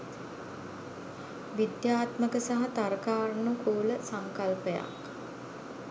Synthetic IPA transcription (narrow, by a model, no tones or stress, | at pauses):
ʋid̪jaːt̪məkəsaɦat̪aɾəkaːɾnukʰoːləsaŋkalpəja̰k